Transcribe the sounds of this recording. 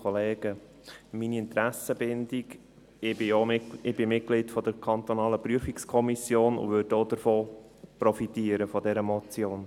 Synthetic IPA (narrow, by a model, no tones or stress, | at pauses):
ɔleːɡ̥ə | miniɪnt̪ɾæsəbɪndiɡ | ɪbɪoɪb̥ɪmɪt̚klitfɔd̥əɾkʰɑnt̪ɔnɑːləpɾyəfikskʰɔmisjoːnʊ̰ʋødoːdəɾfoː | prɔfitiːəɾəfɔdɛɾəmɔt͡sjoːn